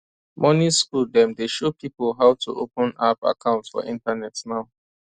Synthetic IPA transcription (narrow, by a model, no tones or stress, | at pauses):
mɔ̃niskuldɛ̃mdeʃopipolɦaʊtʰṵʔopə̃napa̰kʰãʊ̃ntsfɔ̰ʔĩntanɛtnaʊ